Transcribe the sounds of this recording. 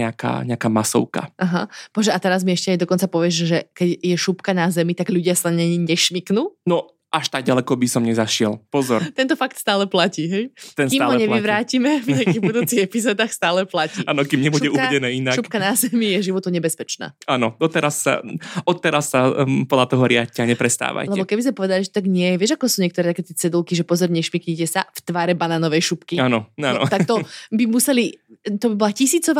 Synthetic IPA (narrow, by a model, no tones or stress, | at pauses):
ɛaka̰ːɲɛakaːmasɔ̰ʊka̰ʔaɦapɔɦɔʒɛat̪ɛɾazmiɛʃcɛajd̪ɔkɔnt͡sapɔʋɪɛʒʒɛkɛɟjɛʃupkanazɛmit̪aɡʎuɟɪasaɲɛɲɛʃmiknuːnɔ | ʔaʃt̪aɡ̚ɟalɛkɔbisɔmɲɛzaʃɪɛlpɔzɔɾt̪ɛnt̪ɔfak̚t̪st̪aːlɛplaciɦɛjt̪ɛnskimalɦɔɲɛiʋɾaːcimɛvɲɛakiːɣbud̪uːt͡siɣɛpizɔːd̪aːxst̪aːlɛplacːaːnɔkimɲɛbuɟɛuaɛdɛnɛːinaʃkuppkanazɛmijɛʒiʋɔt̪uɲɛbɛspɛt͡ʃna̰ːaːnɔd̪ɔt̪ɛɾasːa̰ɔt̪ːɛɾasːapɔd̪lat̪ɔɦɔɾɪacɛaɲɛpɾɛst̪a̰ːʋa̰jlɛɛbɔkɛbizmɛpɔʋɛd̪aliʒɛt̪aɡɲɪɛʋɪɛʒakɔsuːɲɪɛkt̪ɔɾɛt̪akɛːt̪jɛt͡sɛd̪ulˠkiʒɛpɔzɔɾɲɛʃmikɲicɛsaft̪ʋaːɾɛbanaːnɔʋɛjʃupkiaːnɔaɔ̰t̪akt̪ɔbimusɛlit̪ɔbibɔlacisiːt͡sɔʋa